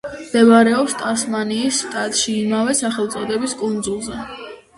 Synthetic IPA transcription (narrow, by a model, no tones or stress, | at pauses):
md̪̥ɛvaɾɛɔpst̪ʼasmaniːsːt̪ʼat̪ʼʃiːmavɛsaχɛlˠt̪sʼɔd̪ɛbiskʼund̪zulˠzɛ